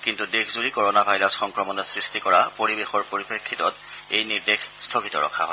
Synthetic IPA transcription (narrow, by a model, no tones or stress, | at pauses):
kintudekʰzuɹikoɹɔnabʱajɹasxɔŋkɹɔmɔnɔsɹistikɔɹapoɹibexɔɹpoɹipɹekʰːitɔt | ejniɹdexstʰokitɔ̰ɹɔ̰kʰa̰ɦɔ̰j